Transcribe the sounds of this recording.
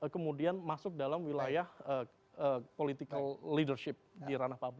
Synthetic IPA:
kəmudianmasʊk̚dalamwilajahə | əpolit̪ikəlːidərʃɪp̚diɾanahpabu

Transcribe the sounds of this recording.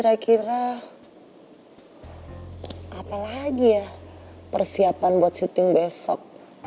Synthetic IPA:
iɾakiɾa | apalaɡijapərsiapanbuat̪̚t͡ʃut̪ɪŋbɛsɔ̰k̚

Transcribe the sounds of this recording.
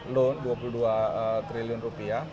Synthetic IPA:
londuapuluduaət̪ɾiliʊnrupia

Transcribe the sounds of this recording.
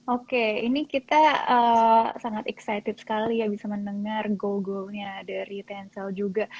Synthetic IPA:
okeḭnikit̪aəsaŋat̪ɛksajt̪ɪt̪̚sə̥kalijabisamənəŋarɡoɡolɲadaɾit̪ɛnsɛld͡ʒuɡa

